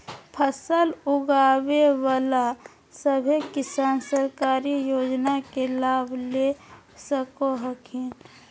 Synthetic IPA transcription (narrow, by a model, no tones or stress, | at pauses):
pʰəsəlʊɡawewala | səbʱekɪsaːnsəɾkaːɾijoːd͡ʒnakelaːbʱle | səkoɦəkʰẽ